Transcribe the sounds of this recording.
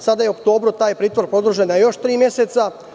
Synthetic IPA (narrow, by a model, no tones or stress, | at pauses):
sad̪ajeo̞kt̪o̞ːbɾut̪aːjpɾiːt̪ʋoɾpɾo̞d̪ɾuʒenajo̞ʃt̪ɾiːmje̞se̞t̪sa